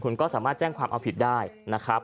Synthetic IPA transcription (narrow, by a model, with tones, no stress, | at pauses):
kʰu˧nkɔː˥˩saː˩˦maː˥˩t̪̚t͡ɕɛː˥˩ŋkʰwaː˧mʔa˧wpʰi˨˩t̪̚daː˥˩jna˦˥kʰɾa˦˥p̚